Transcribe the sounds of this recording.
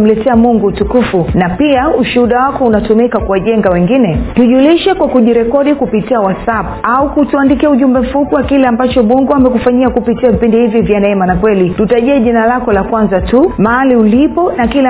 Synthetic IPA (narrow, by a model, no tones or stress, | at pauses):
m̩lɛtɛamuŋɡutukufunapiauʃuuɗawakɔunatumikakuwaʄɛŋɡawɛŋɡinɛtuʄuliʃɛkwakuʄiɾɛkɔɗikupitiawasapaukutuandikiauʄumbɛm̩fupiwakilɛambat͡ʃɔɓɔŋɡuamɛkufaɲiakupitiavipindihivjivjanɛɛmanakwɛlitutaʄɛɛʄinalakɔlakwanzatumaaliulipɔnakilɛ